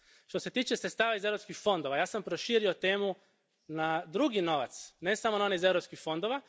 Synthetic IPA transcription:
ʃt̪o̞se̞t̪iːt͡ʃesɾet̪st̪aːʋaizeɾo̞pskixfo̞nd̪o̞ʋajaːsampɾoʃiːɾio̞t̪e̞ːmu | nad̪ɾuɡino̞ʋa̰t̪sne̞samonaoniize̞ʋɾopskixfo̞nd̪o̞ʋa

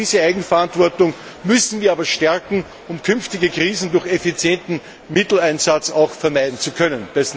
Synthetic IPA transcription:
iːzəæɪɡŋ̩fɛɐantvɔɐtʊŋ | mʏsn̩viːɐaːbɐʃtɛɐkŋ̩ | ʊmkʰʏnftɪɡəkʁiːzn̩dʊɐxefit͡sjɛntn̩ | mɪtl̩æɪnzat͡saʊxfɛɐmæɪdn̩t͡sukʰœnənd̥ɛs

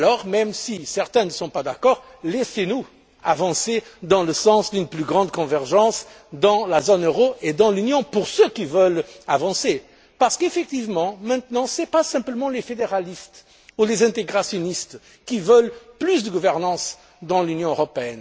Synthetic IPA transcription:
alɔʁmɛmsisɛʁt̪ɛ̃nəsɔ̃pad̪akɔʁ | lesenu | avɑ̃sed̪ɑ̃ləsɑ̃sd̪ynplyɡʁɑ̃d̪̚kɔ̃vɛʁʒɑ̃s | d̪ɑ̃lazonøʁoed̪ɑ̃lynjɔ̃puʁsøkivəlavɑ̃se | paʁsə̥kefɛk̚t̪ivmɑ̃mɛ̃t̪nɑ̃sɛpasɛ̃pləmɑ̃lefed̪eʁalist̪ | ulezɛ̃t̪eɡʁasjɔnist̪ | kʲivœlplysd̪əɡuvɛʁnɑ̃s | d̪ɑ̃lynjɔ̃øʁɔpeɛn

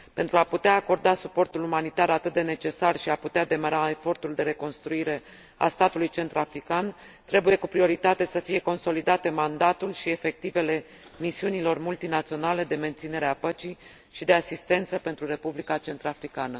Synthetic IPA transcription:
pe̞nt̪ɾuaput̪eaːko̞rd̪asupo̞rt̪ulumanit̪aɾat̪ɨt̪̚d̪ene̞t͡ʃe̞sarʃiaput̪ead̪e̞məɾae̞fo̞rt̪uld̪e̞ɾe̞ko̞nst̪ɾuiɾe̞ | a̰st̪at̪ulujt͡ʃe̞nt̪ɾafɾikan | t̪ɾe̞buje̞kupɾio̞ɾit̪at̪e̞səfije̞ko̞nso̞lid̪at̪e̞mand̪at̪ulʃie̞fe̞k̚t̪ive̞le̞ | misiunilo̞rmult̪inat̪sio̞nale̞d̪e̞me̞nt̪sine̞ɾeapət͡ʃi | ʃid̪e̞asist̪e̞nt̪səpe̞nt̪ɾuɾe̞publikat͡ʃe̞nt̪ɾafɾikanə

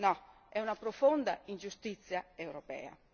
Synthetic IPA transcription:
nɔ | ɛunapɾofond̪aind͡ʒust̪it̪sːjaewɾopɛ̰ːa̰

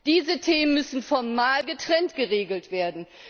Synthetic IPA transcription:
d̥iːzətʰeːmənmʏsn̩fɔɐmaːlɡətʁ̥ɛntɡ̥əʁeːɡl̩tv̥eːɐdn̩

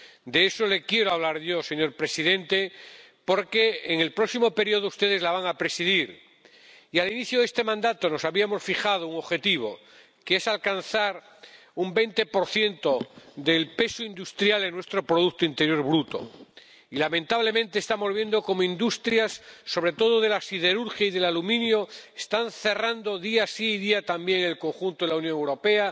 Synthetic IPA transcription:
d̪e̞eso̞le̞kje̞ɾoaβ̞laɾʝo̞se̞ɲo̞ɾpɾe̞siðẽ̞nt̪e̞ | po̞ɾke̞ːŋe̞lpɾo̞ksimope̞ɾio̞ð̞oust̪e̞ðe̞zlaβaŋapɾe̞siðiɾ | ialiniθjoð̞e̞st̪e̞mãnd̪at̪o̞no̞saβiamo̞sfixað̞ouŋo̞βxe̞t̪iβ̞o̞̰ | kesalkan̟θaɾ | umbe̞jnt̪e̞po̞ɾθje̞nt̪oðe̞lpe̞soind̪ust̪ɾjaleŋnwe̞st̪ɾo̞pɾoðukt̪oint̪e̞ɾjo̞ɾβɾut̪o̞̰ | ilamẽ̞nt̪aβle̞mẽnt̪eːst̪amo̞zβje̞nd̪o̞ko̞moind̪ust̪ɾjasːo̞βɾe̞t̪o̞ðoðe̞lasiðe̞ɾuɾxjaiðe̞lalumĩnjoest̪anθe̞rand̪o̞ðiasiiðiat̪ambje̞ŋe̞lko̞ŋxunt̪oðelaunjoŋewɾo̞pe̞a

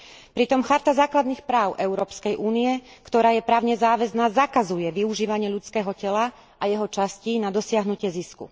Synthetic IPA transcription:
pɾit̪ɔmxaɾt̪azaːklad̪niːxpɾaːʊʔɛʊɾɔːpskɛjʔuːniɛkt̪ɔɾaːjɛpɾaːʊɲɛzaːʋɛznaːzakazujɛʋiuʒiːʋaɲɪɛʎut͡skɛːɦɔcɛla | ʔajɛɦɔt͡ʃascinad̪ɔsɪaɦnucɪɛziskṵ

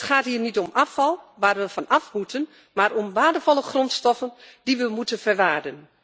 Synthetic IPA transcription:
tχaːthiːrnitɔmʔafɑlˠʋaːrʋəfɔnafbutʰən | marɔmʋaːdəfɔlˠəχrɔntstɔfənd̥iʋəmutənfərʋaːdən

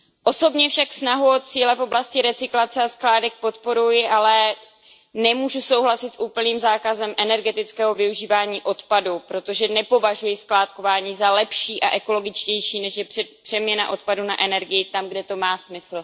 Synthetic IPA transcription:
ʔo̞so̞bɲɛfʃaksnaɦuot̪t͡siːlɛfo̞blascɪɾɛt͡sɪklat͡sɛasklaːdɛk̚po̞t̪po̞ɾujɪʔalɛ | nɛmuːʒuso̞wɦlasɪt̪sʔuːpl̩niːmzaːkazɛmʔɛnɛɾɡɛt̪ɪt͡skɛːɦo̞vɪuʒiːvaːɲiːʔo̞t̪padupɾo̞t̪o̞ʒɛnɛpo̞vaʒujɪsklaːt̪ko̞vaːɲiːzalɛpʃiːʔa̰ʔɛko̞lo̞ɡɪt͡ʃcɛjʃiːnɛʃjɛɛpr̥ɛmɲɛna̰ʔo̞t̪̚paduna̰ʔɛnɛɾɡɪjɪt̪amɡdɛt̪o̞maːsmɪsl̩

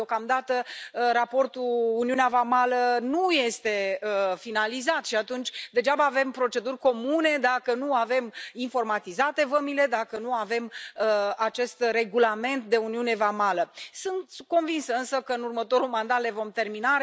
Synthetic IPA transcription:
okamd̪at̪əɾapo̞rt̪uuniuneavamalənuje̞st̪e̞əfinalizat̪ʃiat̪unt͡ʃʲd̪e̞d͡ʒabəːve̞mpɾo̞t͡ʃe̞d̪urʲko̞mune̞d̪akənuave̞minfo̞rmat̪izat̪e̞vəmile̞d̪akənuave̞məat͡ʃe̞st̪re̞ɡulame̞nt̪d̪e̞uniune̞vamaləsɨnt̪ko̞nvinsəɨnsəkəɨnurmət̪o̞ɾulmand̪at̪le̞vo̞mt̪e̞rmina

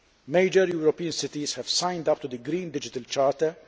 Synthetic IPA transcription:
meɪd͡ʒəɾjuːɾɔpiːə̃nsɪt̪izhɛv̥sãjnd̪ɐp̚t̪ud̪əɡɾĩːnd̪ɪd͡ʒɪt̪ɐlt͡ʃaːɾt̪ɛɾ

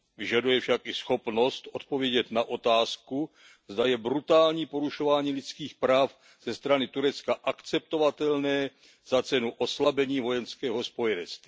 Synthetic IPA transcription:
vɪʒadujɛfʃakɪsxo̞pno̞st̪ʔot̪po̞vjɛɟɛt̪naʔo̞t̪aːsku | zd̪ajɛbɾut̪aːlɲiːpo̞ɾuʃo̞vaːɲiːlɪt͡skiːxpɾaːf | z̥ɛst̪ɾanɪt̪uɾɛt͡skaʔakt͡sɛp̚t̪o̞vat̪ɛlnɛː | z̥at͡sɛnuʔo̞slabɛɲiːvo̞jɛnskɛːɦospo̞jɛnɛt͡st̪vi

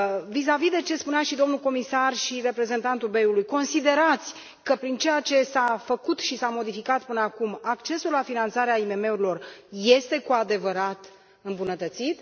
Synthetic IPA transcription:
vis̬avid̪e̞t͡ʃe̞spuneaʃid̪o̞mnuko̞misarʃiɾe̞pɾe̞ze̞nt̪ant̪ube̞ulujko̞nsid̪e̞ɾat̪sʲ | kəpɾint͡ʃe̞jat͡ʃe̞safəkut̪ʃisamo̞d̪ifikat̪pɨnəakumakt͡ʃe̞sulafinant̪saɾeaime̞me̞uɾilo̞rje̞st̪e̞kuad̪e̞vəɾat̪ | ɨmbunət̪ət̪sit̪

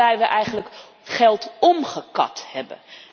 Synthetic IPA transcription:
ɛjʋəʔɛjχənlək | χɛlˠtɔmχəkɑ̰thɛbə̰n

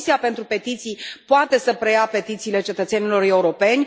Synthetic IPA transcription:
siapent̪ɾupe̞t̪it̪sijpoat̪e̞səpɾe̞jape̞t̪it̪siːle̞t͡ʃe̞t̪ət̪se̞nilo̞re̞uɾo̞pe̞nʲ

